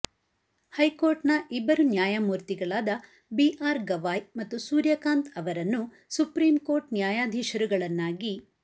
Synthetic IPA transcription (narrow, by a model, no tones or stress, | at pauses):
hɐjkoːɾʈnɐʔibːɐɾunjaːjamuːɾt̪iɡɐɭaːd̪ɐ | biʔaːɾɡɐʋaːjmɐt̪ːusuːɾjɐkaːnt̪ʰɐʋɐɾɐnːu | supɾiːmko̞ːɾʈnjaːjaːd̪ʱiːʃɐɾuɡɐɭɐnːaːɡi